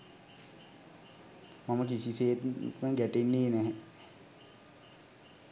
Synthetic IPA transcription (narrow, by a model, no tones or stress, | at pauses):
maməkisiseːt̪məɡæʈenːeːnɛɦɛ